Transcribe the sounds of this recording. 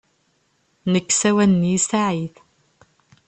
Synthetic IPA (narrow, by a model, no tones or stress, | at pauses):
nəkːsæwænnjisaʕiθ